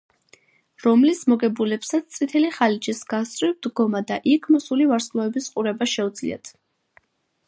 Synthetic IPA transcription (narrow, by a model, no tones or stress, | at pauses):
ɾɔmlismɔɡɛbulɛpsat̪sʰt̪sʼit̪ʰɛliχalit͡ʃisɡast̪ʼɾivd̪ɡɔmad̪aʔikʰmɔsulivaɾskʼlˠɔɛbisqʼuɾɛbaʃɛud̪zlḭa̰t̪ʰ